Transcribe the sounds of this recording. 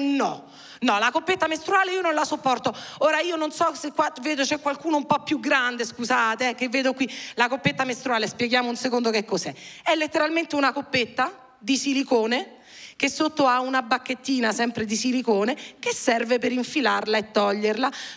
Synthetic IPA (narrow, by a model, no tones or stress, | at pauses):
nɔ̰ | nɔlakopːet̪ːamest̪ɾuaːleiːononlasopːɔrt̪ooːɾaiːononsɔsekːwaveːd̪ot͡ʃɛkːwalkuːnoumpɔpːjuɡɾand̪eskusaːt̪eɛkevːeːd̪okwilakopːet̪ːamest̪ɾuaːlespjeɡjaːmounsekond̪okekːosɛɛlːet̪ːeɾalment̪eunakopːet̪ːa | d̪isilikoːne | k̟esːot̪ːoaunabakːet̪ːiːnasɛmpɾed̪isilikoːnekesːɛrvepeɾiɱfilarlaet̪ːɔʎːerla